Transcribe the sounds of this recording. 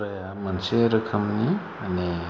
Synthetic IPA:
ɾɐja | mɐnseɾɯkʰɐmni | ane

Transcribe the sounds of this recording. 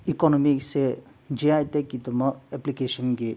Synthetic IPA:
ikɔnɔmikse | d͡ʒiajt̪ekːit̪umɔeplikesɔnɡe

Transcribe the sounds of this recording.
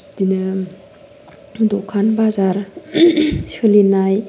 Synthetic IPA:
dinɯ | dɔkʰanbazaɾ | siɯlinaj

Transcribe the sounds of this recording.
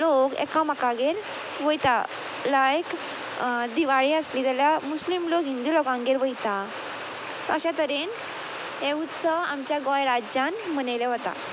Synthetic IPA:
lokɛ̰kamakaɡeɾ | ʋəjt̪a | lajk | d̪iʋaɭiəsliːt̪ɛljamuslimlokɦind̪ilokãŋɡeɾʋəjt̪a | sa̰ɕat̪əɾen | ɦeut̪t͡səamt͡ɕjaɡɔjɾad͡ʑanm̤əneleɦot̪a̰

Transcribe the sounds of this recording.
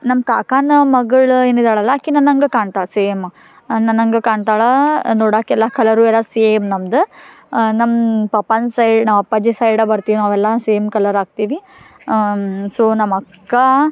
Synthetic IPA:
nɐmːkaːkaːnɐmɐɡɐɭeːnuid̪aːɭɐlːaːkːinɐnːɐŋɡekaːɳt̪aːɭɐseːm | nɐnːɐŋɡekaːɳt̪aːɭɐnoːɽaːkːɛlːakɐlɐɾuːɛlːɐsemnɐmd̪u | nɐmpɐpɐnsɐjɖnaːʋɐpːad͡ʒisɐjɽɐbɐɾt̪iʋinaːʋɛlːɐseːmkɐlɐɾaːɡ̚t̪iːʋi | soːnɐmɐkːa

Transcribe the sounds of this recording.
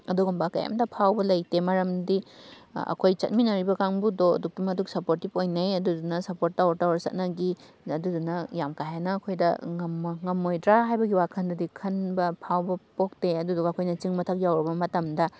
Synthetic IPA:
ɐduɡumbaka̰ja̰mdɐpʰawbɐlɐjtemɐɾɐmdi | ɐ̰kʰojt͡ʃɐ̰t̚minɐɾibɐkaŋbudoɐ̰duk̚timɐtuksɐpoɾtipojnɐjɐdudunɐsɐpoɾt̚ːawɾtawɾsɐ̰t̚nɐɡi | ɐdudunɐjamkajanɐːkʰojdɐŋɐmŋɐmojdɾaɦajbɐɡiwakʰɐndudikʰɐnbɐpʰawbɐpok̚teɐdudukɐkʰojnɐt͡ʃiŋmɐtʰɐk̚jawɾɐbɐmɐtɐmdɐ

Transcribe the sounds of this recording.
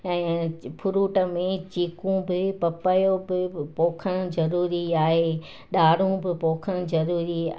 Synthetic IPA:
ɛ̃ːpʰʊɾuːʈə̆mẽt͡ɕiːkũbɪpɐpajobɪpoːkʰəɽ̃ʊzɐɾuːɾiaːɦeː | ɗaːɽ̤ũbɪpoːkʰəɽ̃zɐɾuːɾi

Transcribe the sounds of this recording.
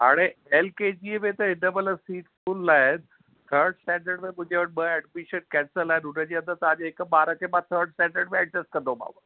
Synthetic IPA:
ɦa̰ːɽ̃eelked͡ʑiːmẽt̪ɐɦɪnəbələsiːʈ | uːlːaːɦɪn | t̪ʰəɾɖsʈɛ̃ːɳɖəɾɖmẽmʊ̃ɦɪ̃ɲd͡ʑeʋəʈ̚ɓəɛɖmɪʃənkɛ̃ːnsəlaːɪnɦʊnəd͡ʑeə̃nd̪əɾt̪ɐʋãd͡ʑeɦɪkɓaːɾəkʰemãt̪ʰəɾɖsʈɛ̃ːɳɖəɾɖmẽɛɖ̚ɾesʈ̚kɐ̃nd̪õbʱa̰ːba

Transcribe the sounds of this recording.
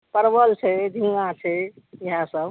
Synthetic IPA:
pəɾbəlt͡ʃʰɛd̪ʱĩɡãt͡ʃʰɛ | iɦãsəb

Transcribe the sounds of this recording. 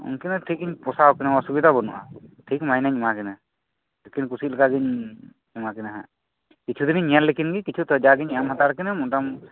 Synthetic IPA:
ṵnkinaʈʰik̚iɲpɔsawkɛnawasubid̪ʱabɔnṵʔa̰ʈʰik̚majnaɲmakɛna | lekinkusilɛkaɡiɲ | umakɛnaɦã̰ | kit͡ʃʰud̪iniɲijallːekʰinɡikit͡ʃʰut̪ɔd͡ʒaɡiɲɛamhat̪aɾkinamunʈam

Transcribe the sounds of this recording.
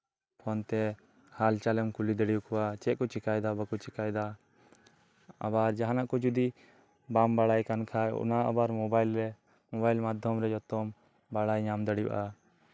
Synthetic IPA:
pʰɔnt̪ɛ | halt͡ʃalɛmkulid̪əɽiukɔwat͡ʃɛʔ̚kɔt͡ʃikajd̪abakɔt͡ʃikajd̪a | a̰baɾd͡ʒaɦanaʔkɔd͡ʒud̪i | bambaɽajkankʰaj̰ṵnaʔa̰baɾmɔbajlɾɛ | mɔbajlmad̪ʱjɔmɾɛd͡ʒɔt̪ɔm | baɽajɲamd̪əɽiuʔa

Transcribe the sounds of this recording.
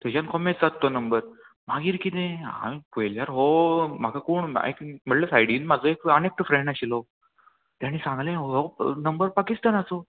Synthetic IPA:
t̪at͡ɕankomẽʈd͡zat̪ːonəmbəɾ | maɡiːɾkit̪ẽa̰pojljaɾɦom̤akʰakuːɳḛkm̤əɽləsajɽiːnmad͡zoekənek̚ʈfɾẽɳɖaɕilo | t̪jaɽ̃isãŋɡlẽɦɦonəmbəɾpakist̪anat͡so

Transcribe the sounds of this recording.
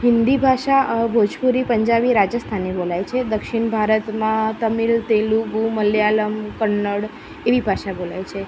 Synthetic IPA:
ɦɪnd̪ibʱaʃabʱod͡ʒpuɾipəɲd͡ʒabiɾad͡ʒjəst̪ʰanebolajt͡ʃʰed̪əkʃiɳbʱaɾət̪mãt̪əmilt̪elubuməljaləmkəɳːəɽ | eʋibʱaʃabola̰jt͡ʃʰe

